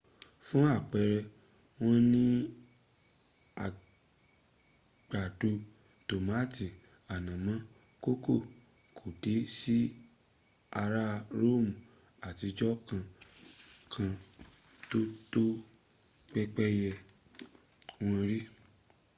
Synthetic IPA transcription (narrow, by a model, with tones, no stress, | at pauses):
fũ˦a˦˨k͡pɛ˧ɾɛ˧ | w̃ɔ̃˦nĩ˦ | a̰˨ | ɡ͡b̥a˨du˧ | to˨ma˨˦˨ti˨ | a˨nã˨mã˨˦ | ko˦ko˦˨ | kʰo˨de˨˦si˦ | a˧ɾa˦ɾo˦˨mũ˨ | a˨ti˧˦d͡ʒɔ˦kã˧ | kʰã˧ | to˦to˦ | k͡pɛ˦k͡pɛ˦jɛ˧ | w̃ɔ̃˦ɾi˦